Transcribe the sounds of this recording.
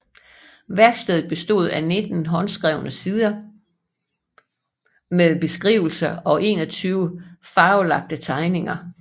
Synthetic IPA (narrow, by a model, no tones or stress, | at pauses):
ʋæɐɡ̥sd̥eð̞ˠð̩ˠb̥e̝sd̥o̝̰ð̞̰ˠæne̝d̥n̩ɦɒ̽nsɡ̥ʁɛʊnəsiðˠɐ | meðˠb̥e̝sɡ̥ʁḭːʊl̩sɐɒ̽ʔe̝̰ːnɒt͡sʰyːʊəfɑ̈ːʊlɑ̈ɡ̥̚d̥ət͡sʰɑ̈ɪne̝ŋɐ